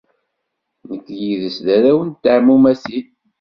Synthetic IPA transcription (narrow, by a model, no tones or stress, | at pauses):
nəkːjiðəsðæɾæwənt̪ːəʕmumæsi